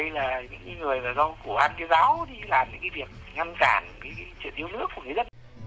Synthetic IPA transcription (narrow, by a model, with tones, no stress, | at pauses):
ə˧jlaː˨˩ɲɨ̰˧˥ŋkaː˨˦jŋɨ˨˩əjmaː˨˩zɔ˧ku˧˩ʔaː˧nkaː˨˦jzaː˨˦wɗi˧laː˨˩mɲɨ̰˧˥ŋkaː˨˦jvi˨˩ək̚ | ŋa˧nkaː˧˩nkaː˨˦kːt͡ɕwḭ˧˨ənʔi˧əwnɨ˦˥ək̚ːu˧˩əŋ˨˩jzt̚